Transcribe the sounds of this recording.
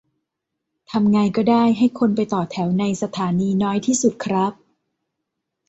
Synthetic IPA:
t̪ʰa˧mŋaː˧jkɔː˥˩daː˥˩jɦa˥˩jkʰo˧npa˧jt̪ɔː˨˩t̪ʰɛ˩˦wna˧jsa˧t̪ʰaː˩˦niː˧nɔː˦˥jt̪ʰiː˥˩su˨˩t̪̚kʰɾa˦˥p̚

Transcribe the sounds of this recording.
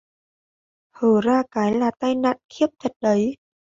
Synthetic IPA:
həː˧˩zaː˧kaː˨˦jlaː˨˩t̪a˧jna̰ː˧˨nxi˦˥əp̚t̪ʰə˨˩t̚ɗə˨˦j

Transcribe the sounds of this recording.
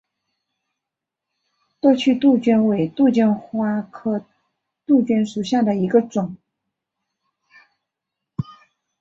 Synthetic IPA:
t̪wɔ˥˧t͡ɕʰy˥˧t̪u˥˩t͡ɕɥɛ˥nwe˨˩ɪt̪u˥˧t͡ɕɛ˥nxwa˥kʰɤ˥˩ | t̪u˥˩t͡ɕɥɛ˥nʂu˨˩ɕja˥˩d̪ə˩i˧˥ɡə˧ʈ͡ʂʊ˨˩˦ŋ

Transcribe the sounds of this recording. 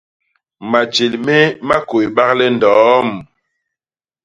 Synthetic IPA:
ma˨d͡ʒe˨lmɛ˦ma˦ko˨jɓa˦k̚lɛ˦n˨dɔː˨˦m

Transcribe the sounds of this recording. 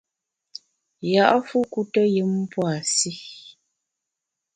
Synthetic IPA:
ja˨ʔfu˦ku˦tɔ˦jɨ˦m˦pwa˨si˦

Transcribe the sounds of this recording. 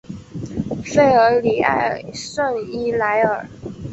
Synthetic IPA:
fe˥˩ɪə˞˧˥li˨˩a̰˥ɪʂwə˥˩ŋi˥˩la˧˥ɪə˞˨˩˦

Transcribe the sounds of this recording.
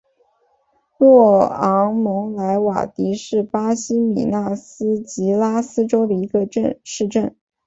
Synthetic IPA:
lwɔ˥˩ɑ˧˥ŋmɤ˧˥ŋla˧˥ɪwa̰˨˩t̪i˧˥ʂɻ̩˥˩pa˥ɕi˥mi˨˩na˥˩sɹ̩˥t͡ɕi˧˥la˥sɹ̩˥ʈ͡ʂo˥ʊd̪ə˨˩i˧˥ɡə˧ʈ͡ʂə˥˧nʂɻ̩˥˧ʈ͡ʂə˥˩n

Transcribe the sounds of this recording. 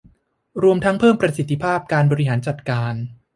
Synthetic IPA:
ɾu˧əmt̪ʰa˦˥ŋpʰɤː˥˩mpɾa˧si˨˩t̪ʰːi˧pʰaː˥˩p̚kaː˧nbɔː˧ɾi˦ɦaː˩˦nt͡ɕa˨˩t̪̚kaː˧n

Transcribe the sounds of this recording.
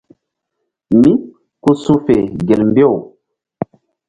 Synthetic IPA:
mi˦ | ku˦sũ˦fe˨ɡe˨lm˦bi˦ɔ˦˨w

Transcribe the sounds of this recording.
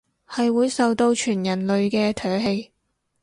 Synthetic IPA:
hɐ˨jwuː˨˧jsɐ˨wt̪o˧wt͡ʃʰyː˨˩njɐ˨˩nlɵ˨ɥkɛː˧t̪ʰœː˨˥ɦe˧j

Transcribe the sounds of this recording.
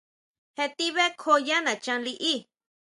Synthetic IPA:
he˧t̪i˦βe˦kʰo˧ja˦nã˨t͡ʃã˧li˧ʔi˦

